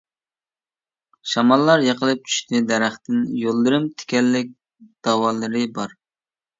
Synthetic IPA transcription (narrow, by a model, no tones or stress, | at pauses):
ʃɑmɑlˠːɑɾjɑqəlˠɨp̚t͡ʃʰy̥ʃt̪ɪd̪ɛɾæχt̪ɪnjolˠːɨɾɨmt̪ʰɪ̥kʲɛlːɪk̚ʲ | d̪̥ɑwɑlˠɨɾɨbɑɾ